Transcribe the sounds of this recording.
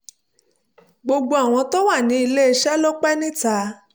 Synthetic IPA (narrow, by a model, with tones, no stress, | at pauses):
ɡ͡bo˧ɡ͡bo˧a˨w̃ɔ̃˧tɔ˦wa˦˨nĩ˨˦i˧le˦˧ʃɛ˦lo˦k͡pɛ˦nĩ˦ta˨˦